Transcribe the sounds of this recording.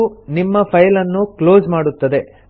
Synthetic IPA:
unimːɐpʰɐjlɐnːuklo̞ːzmaːɽut̪ːɐd̪e̞

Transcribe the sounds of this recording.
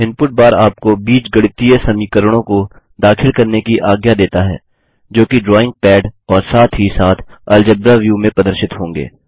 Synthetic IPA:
ɪ̃npʊʈ̚baːɾaːp̚kobiːt͡ʃɡɐɽɪt̪ijesɐmiːkəɾəɽ̃õko | d̪aːkʰɪlkɐɾnekiʔaːɡjad̪eːt̪aɦɛ̰ː | d͡ʒoːkiɖɾɔːɪ̃ŋɡ̚pɛːɖɔːɾsaːt̪ʰɦisaːt̪ʰɐld͡ʒəbɾaʋjuːmẽpɾɐd̪əɾʃɪt̪ɦõːŋɡḛː

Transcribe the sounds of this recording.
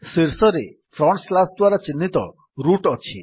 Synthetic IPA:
siɾsɔɾe | pʰɾɔɳslasd̪waɾɔt͡ʃinːit̪ɔ̰ | ɾuʈɔt͡ʃʰḭ

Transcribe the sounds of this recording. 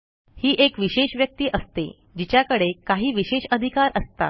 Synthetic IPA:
hiːʔekʋiɕeɕʋjək̚t̪iːʔəst̪ḛ | d͡ʑit͡ɕjakəɽekaɦiːʋiɕeɕəd̪ʱikaɾʔəst̪a̰

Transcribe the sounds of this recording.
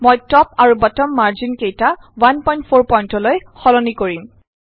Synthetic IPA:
mojtɔpaɹubatɔmːaɹzinkejta | wanpɔj̃nt̚pʰoɹpɔjntɔlojxɔlɔnikoɹim

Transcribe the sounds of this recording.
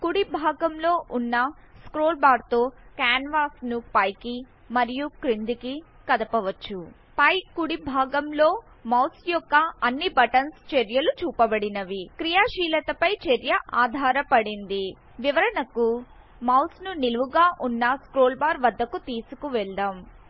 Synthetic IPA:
kuɽibʱaːɡɐmlo̞ːʔunːɐskɾoːlbaːɾt̪o̞ːkaːnʋaːsnupɐjki | mɐɾijukɾind̪iki | kɐd̪ɐpɐʋɐt͡ʃːu | pɐjkːuɽibʱaːɡɐmlo̞ː | mɐwsjɔkːɐɐnːibɐʈɐnst͡ʃeɾjɐlut͡ʃuːpɐbɐɽinɐʋikɾijaːʃiːlɐt̪ɐpɐjt͡ʃeɾjɐʔaːd̪ʱaːɾɐpɐɽind̪i | ʋiʋɐɾɐnɐku | mɐwsnuniluʋuɡaːʔunːɐskɾoːlbaːɾʋɐd̪ːɐkut̪iːsukuʋɛɭd̪aːm

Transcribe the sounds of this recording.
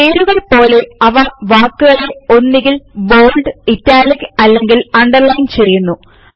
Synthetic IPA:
eːɾuɣɐɭpo̞ːle̞ɐʋɐʋaːkːuɣɐɭeo̞nːiɣilbo̞ːlɖɨitːaːliɣɐlːe̞ŋɡilɐɳɖɐrlɐjnt͡ɕerijunːu

